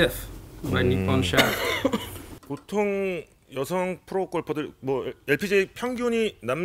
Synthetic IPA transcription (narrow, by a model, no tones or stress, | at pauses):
efmajnːipɔnʃa | potʰoŋ | jʌsʰʌŋpʰɯɾok͈ʌɭpʰʌdɯɭmwʌeɭpʰid͡ʑepʰjʌŋɡjoɲinam